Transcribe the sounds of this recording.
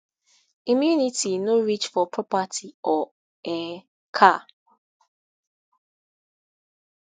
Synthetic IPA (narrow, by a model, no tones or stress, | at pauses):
imjunitinoɾit͡ʃfɔpʰɹɔpatʰiɔ | ɛ | kʰa